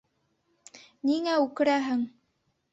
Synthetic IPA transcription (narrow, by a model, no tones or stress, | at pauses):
niŋæʉkɘ̆ɾæɦɘŋ